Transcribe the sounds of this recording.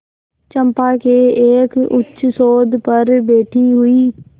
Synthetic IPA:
t͡ʃə̃mpakeːeːkʊ̰tːʃsoːd̪pəɾbeːʈʰiɦʊiː

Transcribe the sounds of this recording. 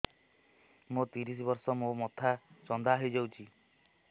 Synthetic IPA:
mot̪iɾis̬ibɔɾsɔmomɔt̪ʰat͡ʃɔnd̪ʱaːɦid͡ʒawt͡ʃʰi

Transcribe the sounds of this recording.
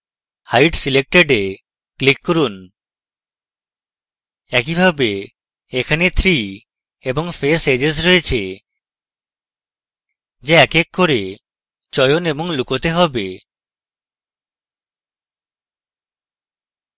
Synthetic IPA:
hajʈsilek̚ʈeɖe | klikːɔɾun | ɛkibʱabe | ekʰanet̪ʰɾi | ebɔŋfʰesed͡ʑes̬ɾoet͡ʃʰe | d͡ʒeɛkekʰːoɾe | t͡ʃɔjonebɔŋlukot̪eɦɔbe

